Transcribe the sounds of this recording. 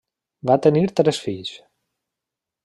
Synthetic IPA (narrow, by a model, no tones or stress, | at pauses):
vat̪eniɾt̪ɾesfiːs